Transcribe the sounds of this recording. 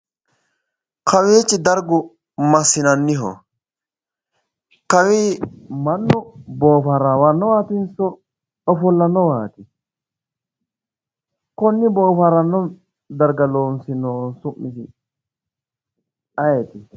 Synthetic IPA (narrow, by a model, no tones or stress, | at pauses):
kʰɐweːt͡ʃːɪd̪ɐɾɡʊ | mɐsːɪnɐnːɪɦɔ̰ | kɐwiːmɐnːʊboːfɐɾawɐnːɔwaːt̪ɪnsɔ | ɔfɔlːɐnːɔwaːt̪ɪ | kɔnːɪboːfaɾɐnːɔ | d̪ɐɾɡɐloːnsɪnoːnsʊmːɪsɪ | ɐjɛt̪ɪ